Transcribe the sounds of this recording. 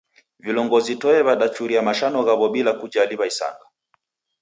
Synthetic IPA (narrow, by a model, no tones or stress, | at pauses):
vilɔŋɡɔzitɔɛβaɗat͡ʃuɾiamaʃanɔɣaβɔɓilakud͡ʒaliβaisa̰ŋɡa